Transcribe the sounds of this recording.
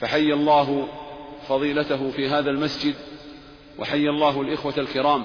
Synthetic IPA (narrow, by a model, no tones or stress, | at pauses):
faħajːalˤːɑːɦʊfɑðˤiːlat̪aɦʊfiːɦaːðalmasd͡ʒɪd̪ | wʔa̰ħajːalˤːɑːɦlʔɪxwaalkɪɾɑːm